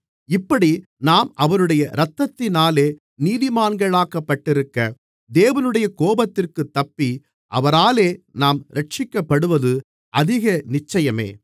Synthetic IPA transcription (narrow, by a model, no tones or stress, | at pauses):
ɪpːɐɽinaːmɐʋɐɾɯɽɐjɐɾɐt̪ːɐt̪ːɪnaːleː | niːðɪmaːnɡɐɭaːkɐpːɐʈːɪɾɯkːɐ | d̪eːʋɐnɯɽɐjɐkoːbɐt̪ːɪrkɯt̪ːɐpːi | ʔɐʋɐɾaːleːnaːmɾɐʈt͡ʃɪkːɐpːɐɽɯʋɐðɯ | ʔɐðɪɣɐnɪt͡ʃːɐjɐmḛː